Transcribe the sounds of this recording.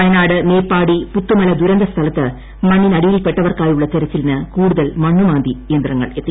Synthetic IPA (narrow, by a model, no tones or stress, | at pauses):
ɐjɐnaːɽɨmeːpːaːɽiput̪ːumɐlɐd̪uɾɐnd̪ɐst̪ʰɐlɐt̪ːɨ | mɐɳːinɐɽijilpːeʈːɐʋɐrkaːjuɭːɐt͡ɕeɾɐt͡ɕːilnɨkuːɽuðɐlmɐɳːumaːnd̪ijend̪rɐŋːɐ̰ɭe̞t̪ːi